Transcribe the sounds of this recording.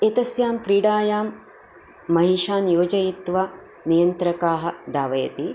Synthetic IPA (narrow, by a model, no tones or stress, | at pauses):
et̪ɐsjaːmkɾiːɽaːjaːmː | ɐɦiʃaːnjoːd͡ʒɐjit̪ʋa | nijɐnt̪ɾɐkaːɦɐ̆d̪aːʋɐjɐ̰t̪i